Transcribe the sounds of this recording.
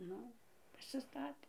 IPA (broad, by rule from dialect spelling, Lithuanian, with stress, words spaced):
ˈnʊ pɐsʲɪˈstɑːtʲeː